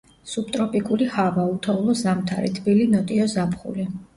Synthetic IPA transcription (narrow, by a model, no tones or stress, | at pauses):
sup̚t̪ʼɾɔpʼikʼulihavaut̪ʰɔvlˠɔzamt̪ʰa̰ɾḭt̪ʰbilinɔt̪ʼiɔzapχṵli